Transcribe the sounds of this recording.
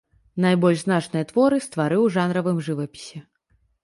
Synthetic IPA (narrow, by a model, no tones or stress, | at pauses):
najbɔlʲʐznat͡ʂnɨjɐt̪vɔɾɨst̪vaɾɨwʐanɾɐvɨmʐɨvɐpʲi̥sʲɛ